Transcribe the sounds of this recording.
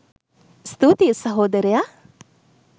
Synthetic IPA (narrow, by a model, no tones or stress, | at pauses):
st̪ut̪isɐɦoːd̪ɐɾija